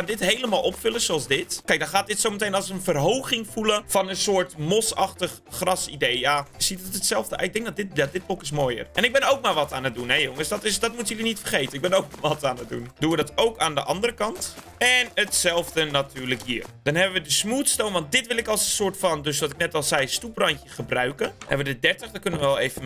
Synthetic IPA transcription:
adɪtɦejləmaːlˠɔpfʏləsoɑlˠsdɪtkɛjk̚dɑnχaːt̚dɪtsowmətejnɑlˠsənfərɦowχɪŋfuləfɑnənsʊːɹtmosɑxtəχːrɑsidejjaːəsitəətsɛlˠvdə̰ɪɡ̚dɛŋk̚dɔt̚dɪtjadɪt̚bokɪsmoːjə̰rʔɛnɪɡ̚bɛnowk̚maːɹʋɑtaːnət̚dunɦɛjoŋəsdɔtɪsdɔtmutəjølinitfərχejtənɪɡ̚bɛnowk̚mʋɑtaːnət̚dṵndunʋədɑtowkaːndəʔɑndərəkɑnt | ɛnətsɛlˠvdənatyːɹləkɦḭːrd̥ɑnɦɛbəʋədəsmuːtstownʋɑnt̚dɪtʋɪlˠɪkɑlˠsənsʊːɹtfɑndøsʋɑtɪknɛtɔlˠzɛjstuprɑntjəχəbrœɥkəɛ̰ʋədədɛɹtəχdɔkɵnəʋəʋɛlˠejvən

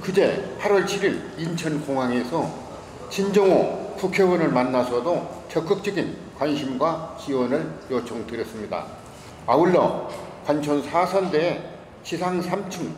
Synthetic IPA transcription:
kɯd͡ʑe̞pʰaɾwʌɭt͡ɕʰiɾiɾ | int͡ɕʰʌnkoŋɦaŋe̞sʰʌ | t͡ɕind͡ʑʌŋokukʰewʌnɯɭmanːasʰʌdot͡ɕʌk͈ɯk̚t͡ɕ͈ʌɡin | kwanɕʰimɡwat͡ɕiwʌnɯɭjot͡ɕʰoŋdɯɾjʌs͈ɯmɲida̰ | auɭːʌ̰kwant͡ɕʰonsʰasʰʌndeː | ɕʰisʰaŋsʰamt͡ɕʰɯŋ

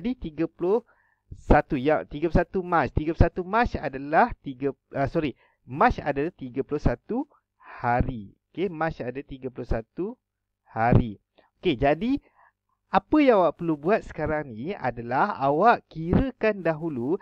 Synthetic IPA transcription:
dit̪iɡapulʊh | sat̪ujat̪iɡaplusat̪umãt͡ʃt̪iɡaplusat̪umãt͡ʃa̰dalaht̪iɡaəsoɾi | mãt͡ʃa̰dalat̪iɡapulʊhsat̪u | haɾiokemãt͡ʃadat̪iɡapulʊhsat̪u | haɾi | oked͡ʒadi | apəjaŋawaʔpəɾlubuat̪̚sə̥kaɾaŋnĩa̰dalaha̰waʔkiɾəkandaɦulu

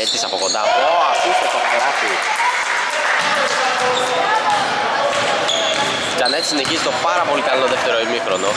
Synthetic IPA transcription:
et̪isɐpo̞kond̪ɐpoɐfist̪et̪opɐlɐsi | cɐnet̪i̥sine̞çizit̪opɐɾɐpo̞likɐlot̪oðeft̪e̞ɾoimixɾono

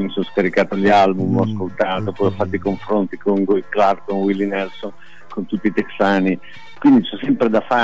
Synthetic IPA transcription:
misonskaɾikaːt̪oʎalbumɔskolt̪aːt̪opɔjɔfːat̪ːikoɱfɾont̪ikoŋɡuklarkonwilːinɛlson | kont̪ut̪ːiːt̪eksaːni | kwind̪it͡ʃɛsːɛmpɾed̪afa

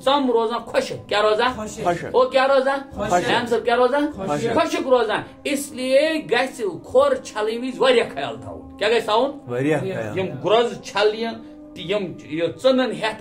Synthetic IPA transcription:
t͡sɐmɾoːzãːkʰoʃikʲaɾoːzaːokʲjaɾoːzãːaːms̬ɐb̚kʲjaɾoːzãːkʰoʃikɾoːzãː | islijeɡɐsilkʰoːɾt͡ʃʰalimizʋɐɾʲjakʰɐja̰ːlt̪ʰa̰ːṵnnkʲaɡɐjsaun | jimɡɾɐzt͡ʃʰaljɐ̃ | t̪ijimjot͡sɨnɐnɦet̪

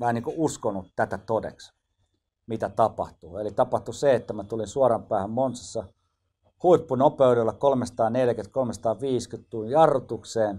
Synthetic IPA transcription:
mæhæniːŋkuuskonːut̪t̪æt̪æt̪odḛks | mit̪æt̪ɑpɑ̰ht̪uelit̪ɑpɑht̪useet̪ːæmæt̪ulinsuɑrɑmpæːhæmmonsɑsːɑ | huipːunopeyɾelːɑkolmesɑ̥t̪ɑːneljæket̪kolmesɑt̪ɑːʋiːskyt̪tuːnjɑrːut̪ukseːn

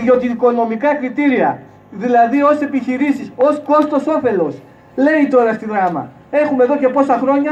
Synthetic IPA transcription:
ðo̞t̪iko̞no̞mikɐkɾit̪iɾiɐ | ðilɐðio̞se̞piçiɾisiso̞sko̞st̪oso̞fe̞lo̞s | le̞it̪o̞ɾɐst̪iðɾɐmɐ̰ | e̞xume̞ðo̞ce̞po̞sɐxɾo̞ɲɐ

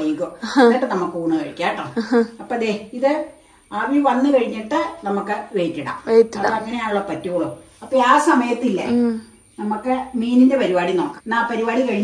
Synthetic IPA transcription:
ɐjikːoeʈːɨnɐmːukːɨuːɳɨkɐɻikʲːaːʈːɐɳɨɐpːoːɐd̪eiðɨ | aʋiʋɐnːɨkɐɻiɲːiʈːɨnɐmukːɨʋejtːiɽa̰ːmetːɐpːoɐŋːɐnejaːnuɭːɐpɐtːiɣoɭo | ɐpːoːaːsɐmɐjɐt̪ːilːɐ̰ | nɐmukːɨmiːninde̞pɐɾibaːɽino̞ːkːanaːpɐɾibaːɽikɐɻiɲː

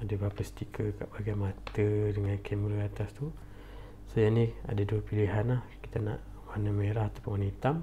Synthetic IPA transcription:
adəbaapəst̪ikʰəkaʔb̥aɡajmat̪ədəŋankʰemɾəat̪ast̪u | sajania̰daduəpiliɦanlahki̥t̪ana̰ʔ | wanəmeɾahat̪apʊnwanit̪am

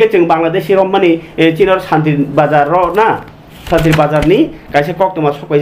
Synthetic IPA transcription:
et͡ʃɯŋbaŋlad̪esiɾɔmːanit͡ʃinɔɾsant̪̬ibazaɾɔna | sant̪̬iɾibazaɾnikajs̬ekɔk̚tɯmasɔkɔj

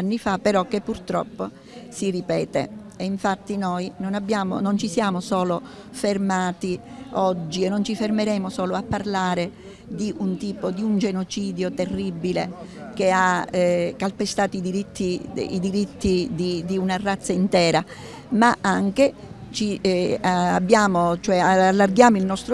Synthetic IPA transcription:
anːifapːeɾɔk̟epːurt̪ɾɔ̰pːo | siripɛːt̪ḛ | eiɱfat̪ːinojnonabːjaːmo̰nont͡ʃisjaːmosɔːlo | fermaːt̪i | ɔd͡ʒːienːont͡ʃifermeɾɛːmosɔːloapːarlaːɾe | d̪iʔunt̪iːpod̪iund͡ʒenot͡ʃiːd̪jot̪erːibːilek̟ea | kalpest̪aːt̪oid̪iɾit̪ʰːḭḭd̪iɾit̪ːid̪id̪iunarːat̪sːaint̪ɛːɾa | maʔaŋke | t͡ʃi | a̰bːjaːmot͡ʃoɛaalːarɡjaːmoilnɔst̪ɾo

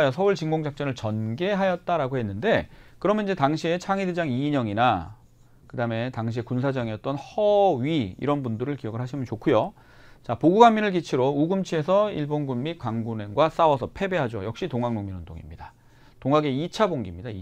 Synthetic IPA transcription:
josʰʌuɭt͡ɕiŋɡoŋd͡ʑak̚t͡ɕ͈ʌnɯɭt͡ɕʌnɡe̞ɦajʌt̚t͈aɾaɡoɦe̞nːɯnde̞kɯɾʌmjʌnid͡ʑe̞taŋɕʰie̞t͡ɕʰaŋided͡ʑaŋiɲʌŋina | kɯdame̞taŋɕ̬ʰie̞kunsʰad͡ʑʌŋiʌt̚t͈ʌnhʌɥiḭɾʌnbundɯɾɯɭkijʌɡɯɭɦaɕʰimɯnt͡ɕokʰujo | t͡ɕapoɡuɡaŋminɯɭkit͡ɕʰiɾouɡɯmt͡ɕʰie̞sʰʌiɭbonɡunmit̚k͈waŋɡunenɡwas͈awʌsʰʌpʰe̞be̞ɦad͡ʑo̰jʌk̚ɕ͈itoŋaŋmoŋminɯndo̰ŋḭmɲida | toŋaɡe̞it͡ɕʰaboŋɡimɲidai

